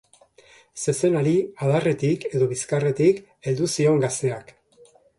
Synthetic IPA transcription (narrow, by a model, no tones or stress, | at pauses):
se̞se̞naɾiaðare̞t̪ike̞ðo̞βiskare̞t̪ik | e̞ld̪usio̞ŋɡast̪e̞ak